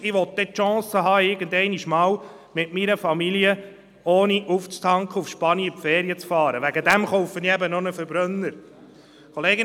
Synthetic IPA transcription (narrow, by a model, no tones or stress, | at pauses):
ɪʋɔt̪̚d̥̪ɛtʃɑ̃ːsəɦɑːɪɡənd̪ɛɪniʃmɑːw | mɪtminəfɑmiljə | oːniʔuft͡st̪ʰɑŋkʰəufʃpɑniəfɛːɾiət͡sfɑːɾəʋæɡəd̪æmχowfəniɛbənɔnəfəɾbɾœnːəɾ | kʰɔleːɡə